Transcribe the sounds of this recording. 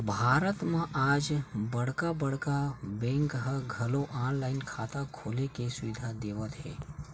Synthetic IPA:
bʱaːɾət̪mãʔad͡ʒbəɽ̤kabəɽkabẽŋkɦəɡʱɐloʔãːnlaɪnkʰaːt̪akʰoːlekesʊʋɪd̪ʱad̪eːʋət̪ɦḛː

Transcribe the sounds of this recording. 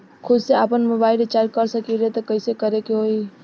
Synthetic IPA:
kʰud̪seapənmobailet͡ʃakəɾsəkiɾet̪əkəɪsekəɾekeɦoi

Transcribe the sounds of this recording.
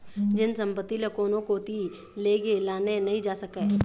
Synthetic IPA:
d͡ʒɪnsə̃mpət̪ːilekoːnõkot̪i | leːɡelaːnenɐɦĩd͡ʒaːsəke

